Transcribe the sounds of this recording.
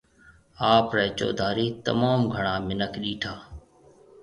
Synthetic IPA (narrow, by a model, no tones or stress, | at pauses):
aːpɾɛːt͡ʃo̰ːd̪ʱaːɾiːt̪ə̰maːmɡʱəɳãːmɪnəkɗiːʈʰaː